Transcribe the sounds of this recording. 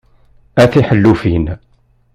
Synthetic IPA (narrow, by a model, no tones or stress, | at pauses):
æθiħəlːufin